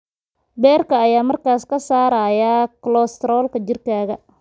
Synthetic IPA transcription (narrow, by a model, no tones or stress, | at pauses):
bɛːrkʰɐːjaːmɐrkaːskʰɐsaːɾaːjaklɔːst̪ɾɔːlkɐd͡ʒɪrkʰaːɣɐ